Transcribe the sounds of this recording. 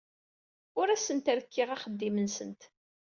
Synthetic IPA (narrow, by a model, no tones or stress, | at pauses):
ʊɾæsənt̪ɾəkʰːɪʁæχəd̪ːimənsənt̪